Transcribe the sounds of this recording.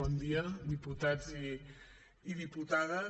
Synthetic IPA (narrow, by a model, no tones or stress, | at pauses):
ɔnd̪iad̪iput̪ad͡zi | iðiput̪aðɐ